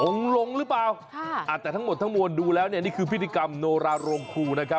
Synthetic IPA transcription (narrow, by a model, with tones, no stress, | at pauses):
ʔo˨˧˩ŋlo˧ŋɾɯː˦˥plaː˨˧wʰ | ʔaː˨˩t̪ːɛː˨˩t̪ʰa˦˥ŋmo˨˩t̪ʰːa˦˥ŋmu˧nduː˧lɛː˦˥wni˥˩ɐniː˥˩kʰɯː˧pʰi˥˩i˧ka˧mnoː˧ɾaː˧ɾoː˧ŋkʰuː˧na˦˥kʰa˦˥p̚